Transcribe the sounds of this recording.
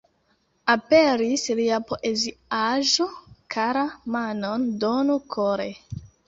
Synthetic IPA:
ape̞ɾisliapo̞ʔeziaʒo̞kʰaɾamanondonukʰoɾe

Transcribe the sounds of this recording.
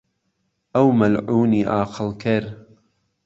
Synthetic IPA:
ʔɐwmɐlʕuːniːʔaːqʰɨlkʰɪɾ

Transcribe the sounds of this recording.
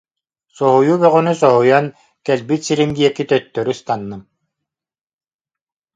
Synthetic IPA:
sɔɦujuːbœʁynysɔɦujɔn | kɛlbit̪siɾimd̪iɛkit̪œt̪ːœɾyst̪anːɯm

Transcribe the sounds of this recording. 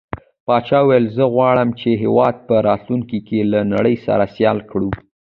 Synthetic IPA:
pɑt͡ʃɑwajlzəɣwɑɽəmt͡ʃeɦewɑd̪̚pəɾɑt̪luŋkikelanaɽəjsa̰ɾasjɑlkɽu

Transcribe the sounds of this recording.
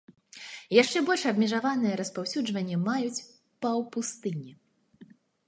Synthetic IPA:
jaʂt͡ʂɛbɔlʲʂɐbmʲɛʐavanɨjɛɾɐspawsʲud͡ʐvɐnʲːɛmajut͡sʲ | pɐwpust̪ɨnʲi

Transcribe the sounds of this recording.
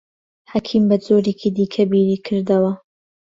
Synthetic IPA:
hakʰiːmbɐd͡zoːɾeːkʰid̪iːkʰɐbiːɾiːkʰɨɾd̪ɐwɐ

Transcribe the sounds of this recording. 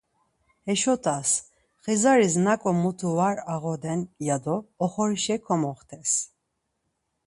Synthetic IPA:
hɛʃɔt̪ʰʼas | χizaɾisnakʼɔmut̪ʰuvaɾaɣɔd̪ɛnjad̪ɔːχɔɾiʃɛkʰɔmɔχt̪ʰɛs

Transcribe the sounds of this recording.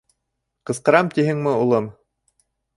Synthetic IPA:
qɤ̆sqɤ̆ɾɑmt̪iɦɘŋmɘulˠɤm

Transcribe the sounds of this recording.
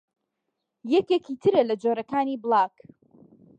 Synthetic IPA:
jɛkekit̪ʰɨɾɐlɐd͡ʒoːɾɐkaːniblˠaːk

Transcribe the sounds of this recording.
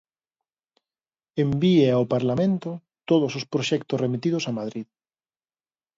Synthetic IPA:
embieaopaɾlamẽnt̪ʊ | t̪oðʊsospɾoʃɛkt̪ʊsremit̪iðʊsamaðɾið

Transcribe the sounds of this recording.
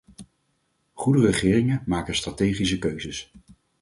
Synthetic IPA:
χudərəχɪːrɪŋəmaːkənstratejχisəkøɥzəs

